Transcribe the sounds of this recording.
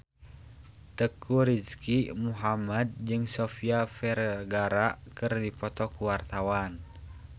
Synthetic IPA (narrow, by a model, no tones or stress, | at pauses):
t̪əkʰuɾiskimuɦamad̪̚d͡ʒɨŋsɔfiafɛrɡaɾakɨrdipɔt̪ɔkuwart̪awan